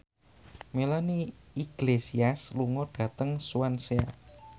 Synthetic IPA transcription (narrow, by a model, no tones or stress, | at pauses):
melaniiɡ̥lesiasluŋɔɖ̥ä̤t̪əŋsuansea̰